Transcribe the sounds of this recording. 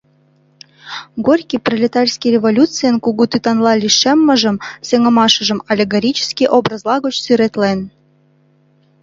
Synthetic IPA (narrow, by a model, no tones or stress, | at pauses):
ɡorʲkʲiprolʲet̪ɑrʲsʲkʲirʲevolʲutt͡sɨjənkuɣut̪yt̪ɑnlɑlʲiʃemːə̆ʒə̆msʲeŋə̆mɑʃə̆ʒə̆mɑlʲeɡoɾʲit͡ɕə̥skʲiʔobrəzlˠɑɣot͡ɕsyɾet̪len